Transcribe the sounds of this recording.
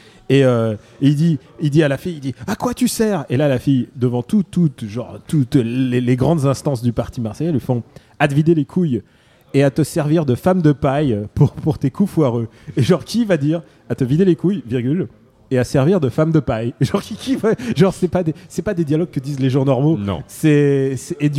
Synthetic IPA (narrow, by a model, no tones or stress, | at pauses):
eø | eild̪i | id̪ialafijid̪iakwat̪ysɛʁelalafijd̪əvɑ̃t̪ut̪ːut̪ʒɑ̃ʁt̪ut̪lleleɡʁɑ̃d̪zɛ̃st̪ɑ̃sd̪ypaʁt̪imaʁsɛjalɥifɔ̃ | aəvid̪elekʰuj | eat̪əsɛʁviʁd̪əfamd̪əpajpuʁpuʁt̪ekʰufwaʁø | eʒɑ̃ʁkʲivad̪iʁ | at̪əvid̪elekujviʁɡʲyl | easɛʁviʁd̪əfamd̪əpajeʒɑ̃ʁkʲikʰʲivaʒɑ̃ʁsɛpad̪esɛpad̪ed̪jalɔɡ̚kəd̪izleʒɑ̃nɔʁmonɔ̰̃sɛsɛːd̪